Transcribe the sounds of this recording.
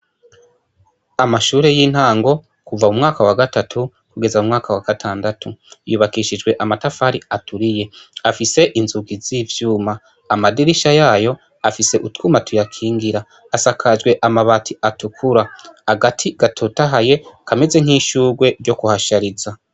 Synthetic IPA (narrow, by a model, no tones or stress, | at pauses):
amaʃuːɾe̞jiːn̥haːŋɡo̞ | kuvaumŋaːkawaɡatatʰu | kuɡe̞zaumŋaːkawaɡ̥atʰaːndatʰujuβakiʃid͡ʒɡwe̞ʔamatafaːɾiatʰuɾije̞afise̞ʔinzuɡiziːvjuːmaː | madiɾiʃajaːjo̞ | afise̞ʔutkumatujakʰiːŋɡiɾaː | sakʰad͡ʒɡwe̞ʔamaβatʰiʔatukʰuɾahaɡatʰiɡ̥atʰotaɦaje̞kʰame̞ze̞ŋ̥hiːʃuːɾɡwe̞ɾɟo̞kuhaʃaɾiza